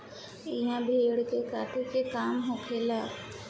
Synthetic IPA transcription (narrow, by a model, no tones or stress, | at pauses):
ɪɦãbʱeːɽkekaːt̪ʰekekaːmɦoːkʰeːlaː